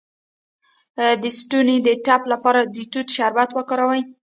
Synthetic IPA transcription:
d̪əsʈunid̪əʈaplapɑɾad̪ət̪uʈʃaɾwat̪wəkɑɾawaj

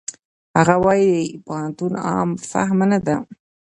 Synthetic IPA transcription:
haɣawajdepant̪unɑ̰ːmfa̰ɦmanad̪a

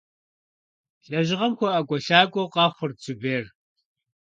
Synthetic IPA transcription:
ɬʼɐʒɪʁɐmkʷʰɔʔɐkʷʼɔɬaːkʷʼɔqɑːχʷʊrt͡sʼubeːr

